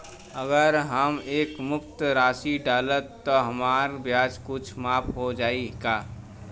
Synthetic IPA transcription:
əɡəɾɦəmeːkmʊk̚t̪ɾaːsiɖaːlət̪ːɔɦəmaːɾbjaːd͡ʒkʊt͡ʃʰmaːpɦod͡ʒaːikaː

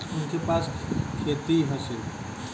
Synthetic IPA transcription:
ʊnkepaskʰet̪iɦəsi

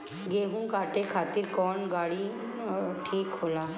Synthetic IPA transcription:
ɡeːɦũnkaːʈekʰaːt̪ɪɾkɔːnɡaːɽi | ʈʰiːkɦoːlaː

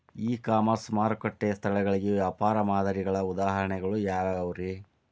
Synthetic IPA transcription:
iːkaːmɐɾsmaːɾkɐʈːeːst̪ʰɐɭɛɡɐɭiɡeʋjaːpaːɾɐmaːd̪ʱɐɾiɡɐɭɐud̪aːɦɐɾɐɳɛɡɐɭujaːʋaɐʋɐɾi

